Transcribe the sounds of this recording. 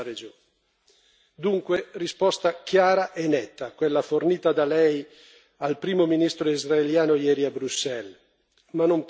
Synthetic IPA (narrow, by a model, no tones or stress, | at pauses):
ɾed͡ʒoː | d̪uŋkwerispɔst̪akjaːɾaʔenːɛt̪ːakwelːaforniːt̪ad̪alɛj | alpɾiːmominist̪ɾoizraeljaːnojɛːɾiabɾusːɛl | manomp